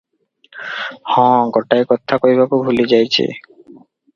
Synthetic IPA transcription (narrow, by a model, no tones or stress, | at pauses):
hɔ̃ɡɔʈajkɔt̪ʰːakoibakobʱuled͡ʑajt͡ɕʰḛ